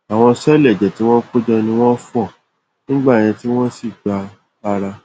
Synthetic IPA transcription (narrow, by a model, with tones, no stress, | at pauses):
a˨w̃ɔ̃˧sɛ˦lɛ˦˨d͡ʒɛ˨ti˨˦w̃ɔ̃˦k͡po˦d͡ʒɛ˧nĩ˧w̃ɔ̃˦fu˦ɔ˦˨ | nĩ˦ɡ͡ba˦˨j̃ɛ̃˧ti˦w̃ɔ̃˦si˦˨ɡ͡ba˧ | ba˦ɾa˧